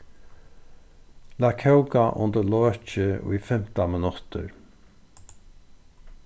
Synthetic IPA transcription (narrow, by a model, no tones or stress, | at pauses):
laːkʰɛʊkaʔʊ̰nd̪əlɔːt͡ʃəḭfɛm̥t̪amɪnʊt̪ə̰ɹ